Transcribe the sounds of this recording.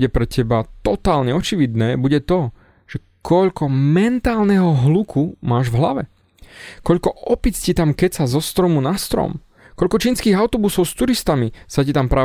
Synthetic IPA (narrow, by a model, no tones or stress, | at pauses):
ɛpɾɛcɛbat̪ɔt̪aːlɲɛɔt͡ʃiʋid̪nɛːbuɟɛt̪ɔ | ʒ̥ɛ | kɔʎkɔmɛnt̪aːlnɛɦɔɦlukʰumaːʒvɦlaʋɛ̰ | kɔʎkɔɔpit͡scit̪amkɛcsazɔst̪ɾɔmunast̪ɾɔ̰m | kɔʎkɔt͡ʃiːnskiːɣaʊt̪ɔbusɔʊst̪uɾist̪amisacit̪ampɾaː